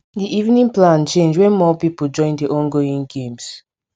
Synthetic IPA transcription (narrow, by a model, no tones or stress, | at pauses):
diʔivnĩŋplãnt͡ʃẽnd͡ʒwɛ̃nmɔpipol̩d͡ʒɔ̃ɪ̃ndiʔɔ̃nɡoĩŋɡẽms